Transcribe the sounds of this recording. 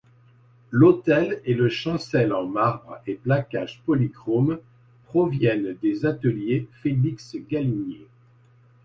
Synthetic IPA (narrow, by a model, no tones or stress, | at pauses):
lot̪ɛleləʃɑ̃sɛlɑ̃maʁbʁeplakaʒpɔliɡʁom | pχɔvjɛnd̪ezat̪əljefeliksɡʲalinje